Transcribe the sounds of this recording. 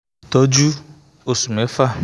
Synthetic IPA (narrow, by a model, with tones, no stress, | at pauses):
tɔ˦d͡ʒu˦ | o˨su˨m̩˨e˨˦fa˦˨